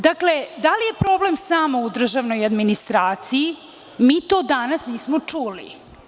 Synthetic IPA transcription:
d̪akle̞d̪alije̞pɾo̞ble̞msaːmoud̪r̩ʒaʋno̞jad̪minist̪ɾaːt̪siji | miːt̪oːd̪anasniːsmot͡ʂulḭ

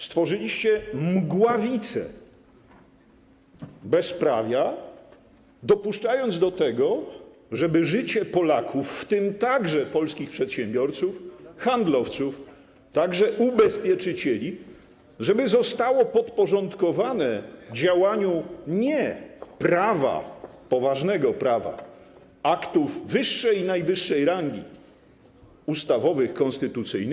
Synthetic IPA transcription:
st̪fɔʐɨlʲiɕt͡ɕɛmɡwavʲit̪sɛ̰ | bɛspɾa̰vʲja | d̪ɔpuʂt͡ʂajɔnd̪zd̪ɔt̪ɛɡɔ | ʐɛbɘʐɘt͡ɕɛpɔlakʰufːt̪ɪmt̪aɡʐɛpɔlskʲixpʂɛt̪ɕɛ̃mbʲjɔɾt̪sufxand̪lɔft̪suf | t̪aɡʐɛʔubɛspʲjɛt͡ʂɘt͡ɕɛlʲi | ʐɛbɘzɔst̪awɔpɔt̪pɔʐɔnt̪kɔvanɛvd͡ʑawaɲuɲɛpɾava̰ | pɔvaʐnɛɡɔpɾava̰ | akt̪uvːɘʂːɛjnajvɘʂːɛjɾaŋɡʲḭ | ust̪avɔvɘxkɔnst̪ɘt̪ut̪sɘjnɘ

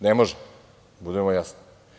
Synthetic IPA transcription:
nɛmoʒɛ | bud̪ɛmojasni̥

